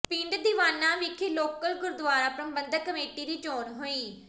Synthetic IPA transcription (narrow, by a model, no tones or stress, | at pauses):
pĩːɳɖd̪iʋaːnːãʋikʰeloːkəlɡʊɾd̪ʊʋaːɾapɾɐmbɐ̃nd̪əkːəmeːʈiɾiːt͡ʃoːnɦuiː